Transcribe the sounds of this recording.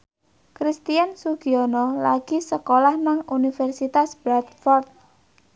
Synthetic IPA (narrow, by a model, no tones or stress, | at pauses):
kɾist̪iansuɡ̥iɔnɔlaɡ̥isəkolahnaŋunifɛrsit̪asb̥ɾat̪fɔrt̪̚